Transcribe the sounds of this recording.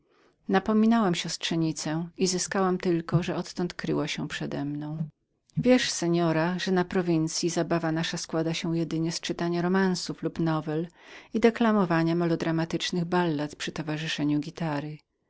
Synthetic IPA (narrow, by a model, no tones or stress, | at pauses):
napɔmʲinawamɕɔstʂɛɲit̪sɛizɘskawamt̪ɘlkɔʐɛɔt̪ːɔnt̪kɾɘ̰waɕɛpʂɛd̪ɛ̰mnɔ̃w̃ | vʲjɛʂsɛɲɔɾaʐɛnapɾɔvʲint̪sʲjizabavanaʂaskwad̪aɕɛ̃jɛd̪ɘɲɛst͡ʂɘt̪aɲaɾɔmansuflupnɔvɛlid̪ɛklamɔvaɲamalɔd̪ɾamat̪ɘt͡ʂnɘɣbalːapʂɘt̪ɔvaʐɨʂɛɲuɡʲit̪aɾɘ